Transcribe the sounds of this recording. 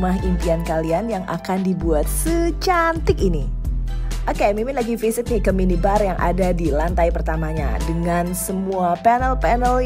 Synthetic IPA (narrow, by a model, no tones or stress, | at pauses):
maɦimp̪iankalianjaŋʔa̰kandibuat̪̚sət͡ʃant̪ɪkini | ʔakamimɪnlaɡifisɪt̪̚nɪkəminibarjaŋʔa̰dadilant̪ajpərt̪amaɲa̰dəŋansəmuapɛnəlpɛnəl